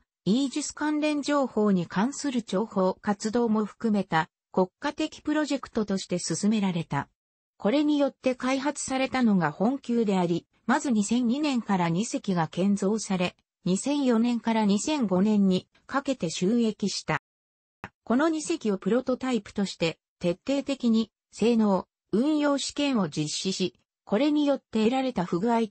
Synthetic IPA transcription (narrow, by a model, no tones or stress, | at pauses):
iːd͡ʑisɨ̥kãnɾẽ̞ɲ̟d͡ʑo̞ːho̞ːɲ̟ikʰãɰ̃sɨɾɯ̟t͡ɕo̞ːho̞ːkat͡sɨd̪o̞ːmo̞ɸɯ̟̥kɯ̟me̞t̪a | ko̞kːat̪e̞kʲi̥pɯ̟ɾo̞ʑe̞kɯ̥t̪o̞t̪o̞ɕi̥t̪e̞sɨsɨme̞ɾaɾe̞t̪a | ko̞ɾe̞ɲ̟ijo̞t̪ːe̞kaiɦat͡sɨ̥saɾe̞t̪ano̞ɡahõ̞ŋkʲɨːd̪e̞aɾʲi | mazɨɲ̟isẽ̞ɲ̟ɲːinẽ̞ŋkaɾaɲ̟ise̞kʲiɡakẽ̞nzo̞ːsaɾe̞ | ɲ̟isẽ̞ɰ̃jo̞nẽ̞ŋkaɾaɲ̟isẽ̞ŋɡo̞nẽ̞ɲ̟ːi | kake̞t̪e̞ɕɨːe̞kʲiɕi̥t̪a | ko̞no̞ɲ̟ise̞kʲio̞pɯ̟ɾo̞t̪o̞t̪aipɯ̟̥t̪o̞ɕi̥t̪e̞ | t̪e̞t̪ːe̞ːt̪e̞kʲiɲ̟i | se̞ːno̞ː | ɯ̟̃ɰ̃jo̞ːɕi̥kẽ̞ɰ̃o̞d͡ʑiɕːiɕi | ko̞ɾe̞ɲ̟ijo̞t̪ːe̞ɾaɾe̞t̪aɸɯ̟ɡɯ̟ai